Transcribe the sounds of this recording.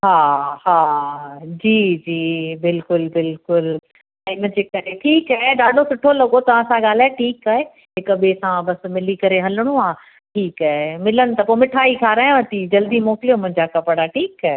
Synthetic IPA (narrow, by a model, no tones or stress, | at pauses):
ɦaːhaː | d͡ʑiːd͡ʑiːbɪlkʊlbɪlkʊl | ɛ̃ːmʊ̃ɦɪ̃ɲd͡ʑeːkɐɾeʈʰiːkaːɦeɗaːɖʱosʊʈʰolɐɠot̪ɐʋ̤ãsãɠaːl̤aːʈʰiːkaːɦe | ɦɪkbesãbɐsmɪlikɐɾeɦɐlɽ̃ũaː | ʈʰiːkaːɦemɪlənɪ̆t̪ɐpoːmɪʈʰaːikʰaːɾaːɦj̃ʋɐt̪id͡ʑɐld̪imɔːkɪlijomʊ̃ɦɪ̃ɲd͡ʑakɐpəɽaːʈʰiːkaɦe